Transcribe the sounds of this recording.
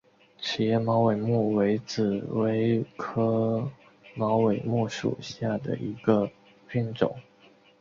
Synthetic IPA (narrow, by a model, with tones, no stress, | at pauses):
t͡ɕʰi˨˩jɛ˥˩mɑ˧˥ʊwe˨˩ɪmu˥˩we˧˥ɪt͡sɹ̩˨˩we˧˥ɪkʰɤ˥ | mɑ˧˥ʊwe˨˩ɪmu˥˩ʂṵ˨˩ɕja˥˩d̪ə̰˩ʔi˧˥ɡə˧ | pʰi˥nʈ͡ʂʊ̰˨˩˦ŋ